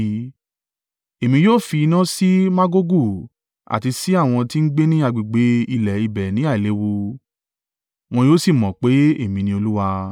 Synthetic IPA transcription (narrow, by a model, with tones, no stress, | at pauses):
e˨mĩ˧joː˦˨fi˧i˧nã˦si˦mã˦ɡo˦ɡu˦˨ | a̰˨ti˧si˨˦a˦˨w̃ɔ̃˧ti˦n̩˦ɡ͡be˦nĩ˦a˧ɡ͡bi˨ɡ͡be˨˦i˧lɛ˨i˧bɛ˨nĩ˨˦a˦˨le˨˦wo˧ | w̃ɔ̃˧joː˦si˦˨mɔ̃˨k͡pe˨˦e˦˨mĩ˧nĩ˧˦o˧lu˦wa˧